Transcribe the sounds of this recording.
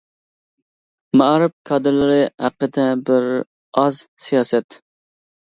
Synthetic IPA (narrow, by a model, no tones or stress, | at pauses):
mɑɾɪb̚kʰɑːd̪ɨɾlɪɾɪhæqːəd̪ɛbɪɾ | ɑzsijɑːsɛt̪